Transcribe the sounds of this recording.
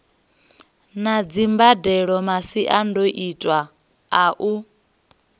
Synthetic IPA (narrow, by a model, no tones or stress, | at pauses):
nad͡zimbadɛɺɔmasiʔandoʔitʼwaː | ʔu